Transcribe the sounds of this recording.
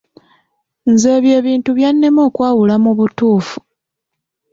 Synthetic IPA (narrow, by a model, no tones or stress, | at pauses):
nze̞ːβje̞ːβiːntuβjanːe̞moːkwaːwulamuβutuːfu̥